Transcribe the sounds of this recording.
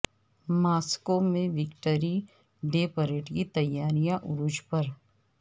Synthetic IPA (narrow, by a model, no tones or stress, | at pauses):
maːskomẽʋɪkʈəɾi | ɖeːpəɾeːʈkit̪ɐjːaːɾijãʔʊɾʊd͡ʒpɐɾ